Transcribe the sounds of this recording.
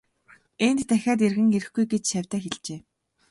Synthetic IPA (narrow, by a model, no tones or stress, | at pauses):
ent̪t̪æxʲaːt̪̬erɣɘ̆ŋeɾɘ̆xɡujɡet͡ɕʃawʲt̪æːxeɮt͡ɕeː